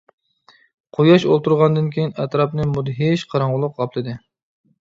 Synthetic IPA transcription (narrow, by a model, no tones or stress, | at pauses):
qʰojɑʃolˠt̪uɾʁɑnd̪ɨnkʲʰejinɛt̪ɾɑpnɨmud̪ɦeʃqʰɑɾɑɴʁʊlˠʊqɑplˠɨd̪ɨ